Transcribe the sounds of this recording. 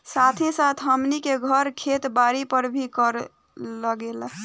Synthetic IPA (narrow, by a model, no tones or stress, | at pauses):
sat̪ʰĩsat̪ʰɦəmnikeɡʱəɾkʰet̪baɾipəɾbʱikəɾ | ləɡel